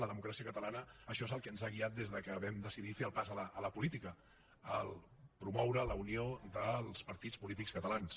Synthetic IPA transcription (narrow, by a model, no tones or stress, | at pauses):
ləðəmukɾasiəkət̪əlanəːʃɔezəlˠkəənzaɣ̞iat̪̚d̪ezðəkəβɛmd̪əsiðifeəlˠpazələːləpulit̪ikə | ə̰lˠ | pɾumɔwɾələunioðəlˠspəɾt̪it͡spulit̪ikskət̪əlans